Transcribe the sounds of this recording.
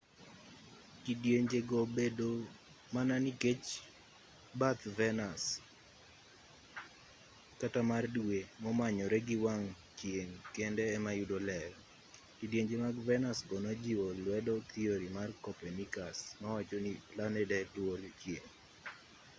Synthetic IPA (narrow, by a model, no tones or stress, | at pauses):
kidjeɲd͡ʒeɡɔbedo | mananiket͡ʃ | bat̪vɛnas | katamardwemɔmaɲɔɾɛɡɪwaŋ | t͡ʃjeŋkendɛːmajudolɛɾ | kidjeɲd͡ʒemaɡvɛnasɡɔnɔd͡ʒiwɔlwɛdɔt̪ʰioɾimarkɔpɛnikasmawat͡ʃoniplanɛdɛdwolt͡ʃjeŋ